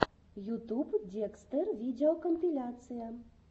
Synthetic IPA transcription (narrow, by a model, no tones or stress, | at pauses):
jut̪updʲekst̪ərvʲidʲeɔkɔmʲpʲilʲat̪sɨja